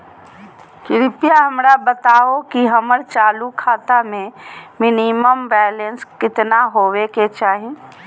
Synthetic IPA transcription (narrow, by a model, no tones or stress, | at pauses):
kɪɾɪpijaɦəmɾabət̪aːokiɦəməɾt͡ʃaːlukʰaːt̪amẽmɪniməmbɛːlenskɪt̪naɦoːweket͡ʃaːɦi